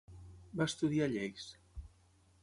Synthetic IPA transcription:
bast̪uðiaʎɛks

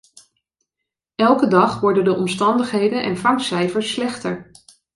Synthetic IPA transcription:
ɛlˠkədɑχʋɔɹdəndəʔɔmstɑndəχɦejdənʔɛ̰nfɑŋksɛjfəɹsːlɛχtəɹ

